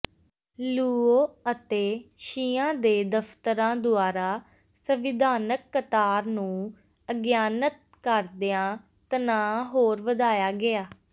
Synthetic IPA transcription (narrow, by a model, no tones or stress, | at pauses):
luːoːət̪eːʃiːãːd̪eːd̪əfʰt̪əɾãːd̪ʊaːɾaː | səʋɪd̪ʱaːnəkːət̪aːɾnũː | əɡjaːnət̪̚ | kəɾd̪ɪãː | t̪ənãːɦoːɾʋəd̪aːjaːɡɪaː